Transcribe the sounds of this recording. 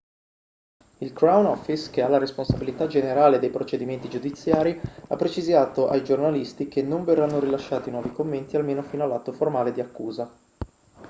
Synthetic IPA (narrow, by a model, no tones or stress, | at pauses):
ilkɾawnɔfiskealːaɾesponsabilit̪ad͡ʒeneɾaːled̪ejpɾot͡ʃed̪iment̪id͡ʒud̪it̪sːjaːɾiapːɾet͡ʃizaːt̪oʔajd͡ʒornalist̪ikenːoɱverːanːoɾilaʃːaːt̪inwɔːvikomːent̪ialmeːnofiːnoalːat̪ːoformaːled̪iakːuːza